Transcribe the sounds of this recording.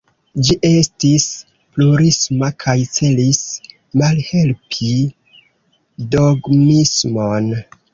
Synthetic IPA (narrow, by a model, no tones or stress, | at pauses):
d͡ʒiʔe̞stis | pluɾismakʰajt͡se̞lis | malhe̞lpʰi | doɡmismon